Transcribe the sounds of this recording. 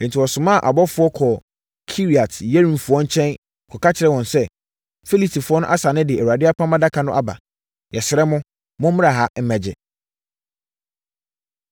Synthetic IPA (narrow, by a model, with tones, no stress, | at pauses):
ɛ˨n̩˨tʰi˨wɔ˨sʊ̃˨mã˦˨ʔa̰˨bɔ˦fʊ˦ɔ˦kʰɔ˨ | kʰi˦ɾi˨a˨tʰjɛ˦ɾĩ˨nfʊ˨˦ɔ˦ɲ̩˦t͡ɕʰɛ̃˦n | kʰɔ˨ka˦t͡ɕʰɪ˨ɾɛ˦˨wɔ̃˨nsɛ˦ | fi˦li˨tʰi˨fʊ˦ɔ˦nʊ̃˦ʔa˦sa˨nɪ̃˦dɪ˨ɛ˨ɛ˨u˨a˨dɪ˦a˦pʰã˦mã˦da˦kʰa˨nʊ̃˦ʔa̰˦ba̰˨ | jɛ˨sɪ˨ɾɛ˦mʊ̃˦ | mʊ̃˦m̩˦m̃˦a˨ɦa˦m̩˦mæ̃˨d͡ʑɪ̰˨